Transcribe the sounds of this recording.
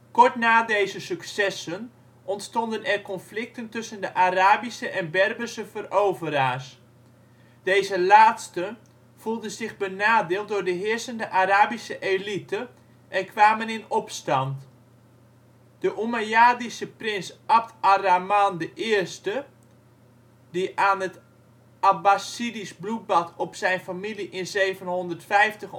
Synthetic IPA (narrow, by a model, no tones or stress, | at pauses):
kɔɹtnaːdejzəsyksɛsən | ʔɔntstɔndənɛrkɔnflɪk̚təntɵsəndəʔaraːbisəʔɛnbɛrbəsəvərʔowvəɾaːs | d̥eːzəlaːtstə | v̥ulˠdəzɪχbənaːdɪːlˠt̚dʊːrdəɦɪərsəndəʔaɾaːbisəʔelitə | ʔɛnkʰʋaːmənɪnɔpstɑnt | d̥əʔumajaːdisəprɪnsap̚tʰaramandəʔɪərstə | diʔaːnət | abasidisblut̚bɑtʰɔpsɛjnfamiliʔɪnzejvənɦɔndərtfɛjftəχ